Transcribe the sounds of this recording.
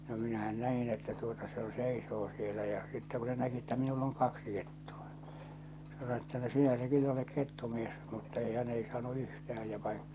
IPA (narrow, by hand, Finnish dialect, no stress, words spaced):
no minæhæn næin etːæ tuotɑ se jo seisoː sielæ jɑ sitːɛ ku se næki etːæ minulː oŋ kɑksi ketːu̥ɑ̥ se sɑno etːæ no sinæ se kylː olek ketːumies mutːɑ ei hæn ei sɑːnu yhtæh̞æj jɑ ʋɑi